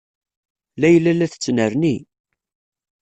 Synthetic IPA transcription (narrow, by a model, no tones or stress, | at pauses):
læjəlːælːæθət͡sːnəɾni